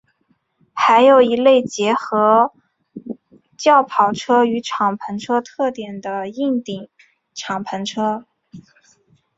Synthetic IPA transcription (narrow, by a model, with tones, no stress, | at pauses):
xa˧˥ɪjo˨˩ʊi˧˥le˥˩ɪt͡ɕjɛ˧˥xɤ˧˥ | t͡ɕjɑ˥˩ʊpʰɑ˨˩ʊʈ͡ʂʰɤ˥y˧˥ʈ͡ʂʰɑ˨˩ŋpʰə˧˥nʈ͡ʂʰɤ˥t̪ʰɤ˥˩t̪jɛ˨˩nd̪ə˦i˥˩ŋt̪i˨˩˦ŋ | ʈ͡ʂʰɑ˨˩ŋpʰə˧˥nʈ͡ʂʰɤ˥